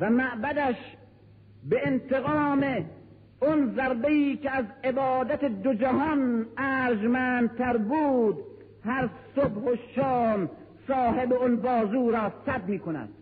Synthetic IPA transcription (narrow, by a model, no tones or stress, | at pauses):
væmæʔbæd̪æʃ | beent̪eɣɑːme | ɔnzæɾbeiːkeæzebɑːd̪æt̪ed̪od͡ʒæɦɒnæːɾd͡ʒmænd̪̚t̪ʰæɾbuːd̪ | hæɾsobhoʃɑːm | sɒːɦe̞beɔnbɒːzuːɾɒːsæb̚miːkonæ̰d̪̥̚